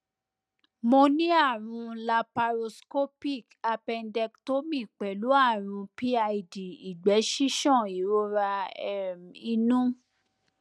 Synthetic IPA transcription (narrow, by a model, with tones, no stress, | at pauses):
mo˧nĩ˦a˦˨ɾ̃ũ˧la˧pa˧ɾo˧sko˦pi˦˨ka˧pɛ˧ndɛ˧kto˦mĩ˦˨k͡pɛ˨˦lu˨˦a˦˨ɾ̃ũ˧pi˦a˧i˨˧di˨i˨ɡ͡bɛ˨˦ʃi˦ʃɔ̃˦˨i˨˦ɾo˦ɾa˧˦ | i˧nũ˦